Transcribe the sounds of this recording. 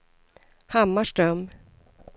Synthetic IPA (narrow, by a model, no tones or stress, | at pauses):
hamːaʂʈɾœm